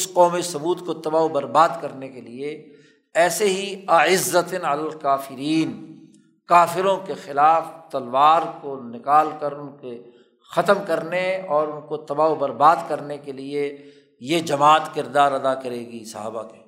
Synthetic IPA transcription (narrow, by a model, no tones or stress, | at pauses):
ɪsqɔːmisʊbuːt̪kot̪ɐbaːobɐɾbaːd̪kɐɾnekelie | ɛːseɦiɐɪzːət̪nɐlalkaːfɪɾiːn | kaːfɪɾõkexɪlaːft̪ɐlwaːɾkonɪkaːlkɐɾʊnke | xɐt̪əmkɐɾneɔːɾʊnkot̪ɐbaːobɐɾbaːd̪kɐɾnekelie | jed͡ʒɐmaːt̪kɪɾd̪aːɾɐd̪akɐɾeːɡisɐ̰ɦa̰ːbakeː